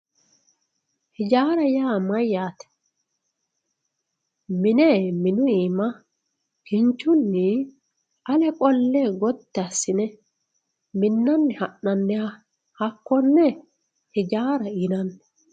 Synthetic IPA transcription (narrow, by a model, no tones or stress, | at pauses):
hɪd͡ʒaːɾɐjaːmɐjːaːt̪ɛ̥ | mɪneːmɪnʊiːmɐ | kɪnt͡ʃːʊnːɪ | ɐlɛkʼɔlːeːɡɔt̪ːɛɐsːɪnɛ | mɪnːɐnːɪhɐʔːɐnːɛhɐ | hɐkːɔnːɛ | hɪd͡ʒaːɾɐinɐnː